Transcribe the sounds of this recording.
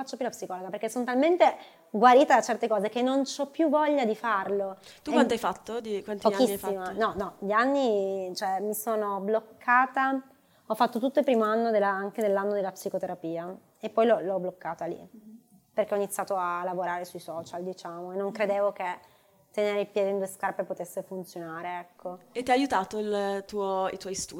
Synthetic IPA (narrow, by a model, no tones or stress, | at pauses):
fat͡ʃːopjulapsikɔloɡaperkːesːonot̪alment̪e | ɡwaɾiːt̪ad̪at͡ʃɛrt̪ekɔːzekenːont͡ʃɔpːjuvːɔʎːad̪ifarlot̪ukwant̪ajfat̪ːod̪ikwant̪pokisːfimanɔnɔʎianːit͡ʃoɛmisoːnoblokʰːaːt̪a | ɔfːat̪ːot̪ut̪ːoilpɾiːmoanːod̪elːaaŋked̪elːanːod̪elːapsikot̪eɾapiːa | epːɔjlɔlɔblokːaːt̪alḭ | perk̟eɔinit̪sjaːt̪oalːavoɾaːɾesuisɔːt͡ʃald̪it͡ʃaːmoenːoŋkɾed̪eːvok̟e | t̪ːeneːɾeilpjɛːd̪oind̪uːeskarpepot̪esːefunt̪sjonaːɾeɛkʰːoet̪ːiajajut̪aːt̪oilt̪uːoit̪wɔjst̪u